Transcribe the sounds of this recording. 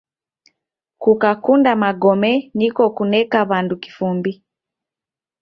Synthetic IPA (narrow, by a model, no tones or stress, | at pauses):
kukakundamaɡɔmɛnikɔkunɛkaβanduki̥fumbi